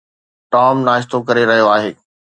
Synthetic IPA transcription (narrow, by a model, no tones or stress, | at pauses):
ʈaːmnaːɪʃt̪okɐɾeɾɐɦijoaːɦeː